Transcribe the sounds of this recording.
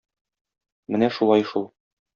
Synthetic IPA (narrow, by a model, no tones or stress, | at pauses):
mɘnæʃulˠɑjʃulˠ